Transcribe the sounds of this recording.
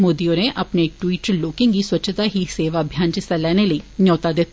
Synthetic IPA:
moːd̪ijoneʔɐpneʈwiːʈloːkɪ̃ŋɡiswətːʃʰət̪aɦiseːʋaəbʱjaːnt͡ʃɪsalɛːneləinjɔːt̪ad̪ɪt̪

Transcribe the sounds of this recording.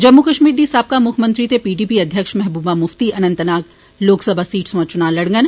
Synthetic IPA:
d͡ʒɐmːukɐʃmiːɾd̪iːsaːp̚kamʊkʰmə̃nt̪ɾit̪epiːɖiːpiɐd̪ʱjəkʃmɛɦbuːbamʊft̪iʔɐnə̃nt̪ənaːk | loːksəbʱaːsiːʈsʋɐ̃t͡ʃʊnaːlɐɽŋɡən

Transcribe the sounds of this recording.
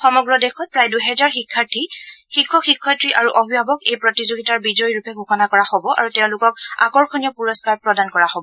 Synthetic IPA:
xɔmɔɡɹɔdexʰɔt̚pɹajduɦɛzaɹxikʰːaɹtʰixikʰːɔxikʰːɔjtɹiʔaɹuʔɔbʱibʱabɔkejpɹɔtizoɡitaɹbizɔjɹupɛɡʱuxɔnakɔɹahobɔʔa̰ɹuteʊ̃lʊkɔk̚a̰kɔɹxɔnijɔpuɹɔskaɹpɹɔdankɔɹaɦobɔɔ

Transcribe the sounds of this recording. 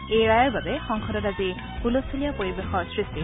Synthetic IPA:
ejɹajɔɹbabɛxɔŋxʰɔdɔtazi | pulosilijapoɹibexɔɹsɹisti

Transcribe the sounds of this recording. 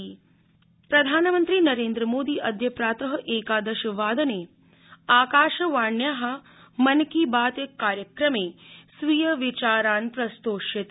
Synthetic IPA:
pɾɐd̪ʱaːnɐmɐnt̪ɾiːnɐɾeːnd̪ɾəmoːd̪iːʔɐd̪ʱjɐpɾaːt̪ɐɦɐ̆ʔeːkaːd̪ɐʃɐʋaːd̪ɐneː | aːkaːʃɐʋaːɳjaɦɐ̆ | mɐnkibaːt̪jɐkːaːɾjɐkɾɐmeːsʋijɐʋit͡ʃaːɾaːnpɾɐst̪oːʃjɐt̪

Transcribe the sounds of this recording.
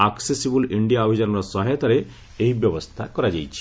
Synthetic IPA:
aksesibəliɳɖijaɔbʱid͡ʑanlɔsɔɦajt̪aɾe | eɦibjɔʋəst̪ʰakɔɾad͡ʑa̰jt͡ɕi̥

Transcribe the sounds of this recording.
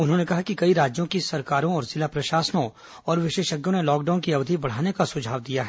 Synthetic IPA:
ʊnɦõnekɐɦakikɐiɾaːd͡ʒjõkisɐɾkaːɾõɔːɾzɪlapɾɐʃaːsənõ | ɔːɾʋɪʃeːʃəɡjõnelɔːkɖaːʊnkiɐʋd̪ʱibɐɽ̤aːnekasʊd͡ʒʱaːʋd̪ijaɦɛː

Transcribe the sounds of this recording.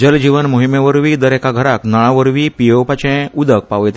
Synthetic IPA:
d͡ʑəld͡ʑiʋənmoɦimẽʋəɾʋiːd̪əɾɛkaɡʱəɾaknaɭ̃ãʋəɾʋiːpijəwpat͡ɕɛ̃ud̪ək̚paʋjt̪

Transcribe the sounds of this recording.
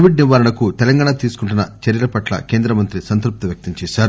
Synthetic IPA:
ʋiɖniʋaːɾɐɳɐkut̪ɛlɐŋɡaːɳat̪iːsu̥kuɳʈ̬unːɐt͡ʃɐɾjɐlɐpɐʈlɐ̰ke̞ːnd̪ɾɐmɐnt̪ɾisɐnt̪ɾup̚t̪iʋjɐk̚t̪ɐmt͡ʃɛːʃaːɾu

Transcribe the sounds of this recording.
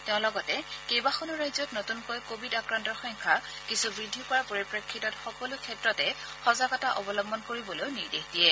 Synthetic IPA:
tɛʊ̃lɔɡɔtɛkejbaxonuɹajzɔtnotunkɔjkobʱidakɹantɔɹxɔŋkʰa | kisubɹidʱːipaɹpoɹipɹekʰːitɔtxɔkɔlʊkʰɛtɹɔtɛ | xɔzaɡɔtaʔɔbɔlɔmbɔnkoɹibɔlojniɹdexdiɛ

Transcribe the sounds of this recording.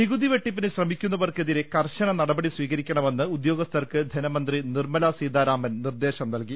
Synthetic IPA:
niɣuðiʋeʈːipːinɨɕrɐmikʲːunːɐʋɐrkeðiɾe̞kɐrɕɐɳɐnɐɽɐbɐɽisʋiːɣɐɾikʲːɐɳɐme̞nːɨud̪jo̞ːɡɐst̪ʰɐrkɨd̪ʱɐnɐmɐnd̪rinirmɐlasiːd̪aːɾaːmɐnnird̪e̞ːɕɐmnɐlki

